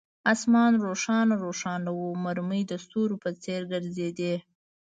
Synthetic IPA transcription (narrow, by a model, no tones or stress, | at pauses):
asmɑnɾoʂɑnaɾoʂɑnawumaɾməjd̪əst̪uɾopət͡seɾɡəɾzed̪e